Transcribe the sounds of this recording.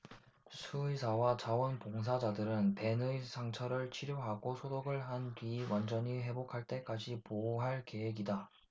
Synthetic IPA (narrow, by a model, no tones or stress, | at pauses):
sʰuisʰawat͡ɕawʌnpoŋsʰad͡ʑadɯɾɯnpe̞nɯisʰaŋt͡ɕʰʌɾɯɭt͡ɕʰiɾjoɦaɡosʰodoɡɯɭɦandɥiwand͡ʑʌɲiɦe̞bokʰaɭt͈e̞k͈ad͡ʑipoɦaɭke̞we̞ɡida